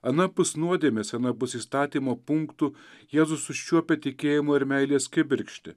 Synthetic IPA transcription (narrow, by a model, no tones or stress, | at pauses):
ɐnɐpʊsnuɔd̪ʲeːmʲeːsʲɐnɐpʊsiːst̪ɑːt̪ʲiːmoːpʊŋkt̪ʊjeːzʊsʊʃʲt͡ʃʲuɔpʲɛt̪ʲɪkʲeːjɪmoːɪɾmʲɛɪlʲeːskʲɪbʲɪɾʲkʃʲt̪ʲɪ